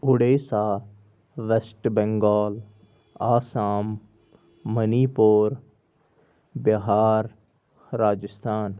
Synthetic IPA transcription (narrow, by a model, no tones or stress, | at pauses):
ʊɽeːsaː | ʋesʈbɛ̃ŋɡɔːl | aːsaːmː | əniːpoːɾ | bəɦaːɾː | aːd͡ʒəst̪ʰaːn